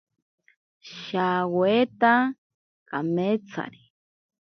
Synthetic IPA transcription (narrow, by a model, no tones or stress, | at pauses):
ʃawwet̪a | kamet͡sʰa̰ɾi